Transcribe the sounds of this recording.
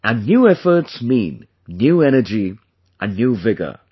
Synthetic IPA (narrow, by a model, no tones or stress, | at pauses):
ə̃nːjuːɛfə˞tsmĩːnː | juːɛñəd͡ʒi | ʔə̃nːjuːvɪɡə̰